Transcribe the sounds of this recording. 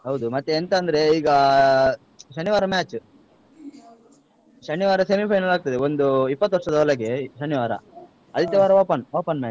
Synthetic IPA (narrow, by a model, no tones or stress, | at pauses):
ɦɐwd̪umɐt̪ːeːnt̪ɐːnd̪ɐɾe̞iːɡɐ | ʃɐniʋaːɾɐmaːt͡ʃ | ʃɐnːiʋaːɾɐsemipʰɐjnɐlaːɡ̚t̪ɐd̪eo̞nd̪uipːɐt̪ːʋɐʈʂɐd̪ɐɐlɐɡeʃɐnːiʋaːɾɐ̰ | ɐd̪it̪ːeʋaːɾɐʋoːpɐnʋoːpɐnmaː